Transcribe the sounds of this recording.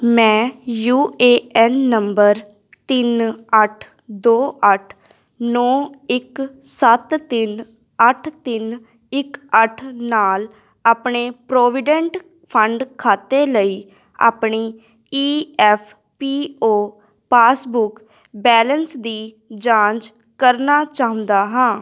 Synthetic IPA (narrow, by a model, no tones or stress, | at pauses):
mɛ̃ːjuːeːɛnːəmbəɾ | t̪ɪnəʈʰ | d̪oːʔəʈʰ | nɔːɪksət̪t̪ɪn | əʈʰt̪ɪn | ɪkəʈʰnaːl | aːpɳeːpɾoːʋɪɖɛ̃ɳʈ | pʰəɳɖkʰaːt̪eːləiː | a̰ːpɳiː | iːɛːpʰ | piːoː | paːsbʊk | bɛːlənsd̪iː | d͡ʒãːd͡ʒ | kəɾnaːt͡ʃaːə̃nd̪aːɦãː